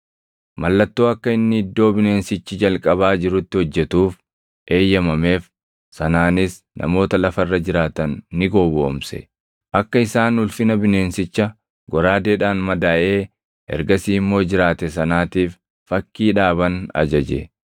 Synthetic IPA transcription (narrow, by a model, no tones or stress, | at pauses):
mɐlːɐt̪ːoːɐkːɐɪnːɪɪd̪ːo̞ːbɪne̞ːnsɪt͡ʃːɪd͡ʒɐlkʼɐβaːd͡ʒɪɾʊt̪ːɪhɔd͡ʒːɛt̪uːf | ʔe̞ːjːɐmɐme̞ːf | sɐnaːnɪs | nʔɐ̰mo̞ːt̪ɐlɐfɐrːɐd͡ʒɪɾaːt̪ɐnːɪɡo̞ːboːmsɛ̰ | ʔɐkːɐɪsaːnʊlfɪnɐbɪne̞ːnsɪt͡ʃːɐ | ɡɔɾaːd̪eːᶑaːnmɐd̪aːʔe̞ː | ɛ̰ɾɡɐsiːɪmːo̞ːd͡ʒɪɾaːt̪ɛs̬ɐnaːt̪iːfː | ɐkːiːᶑaːβɐnɐ̰d͡ʒɐd͡ʒɛ̰